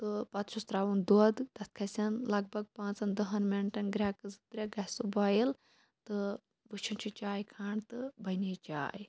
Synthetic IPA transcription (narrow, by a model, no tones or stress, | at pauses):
t̪ɨpɐt̪ʃʰust̪ɾaːʋund̪ɐd̪d̪ɐskʰɐsʲɐnlɐɡ̚bʱɐɡ̚pãːt͡sɐnd̪ɐɦɐnmeɳʈɐnɡɾʲaːkɨzɨt̪ɾʲɐɡɐsubaːjil | t̪ɨ | but͡ʃʰunt͡ʃʰit͡ʃaːjkʰaːɳt̪ɨbɐnit͡ʃa̰ːj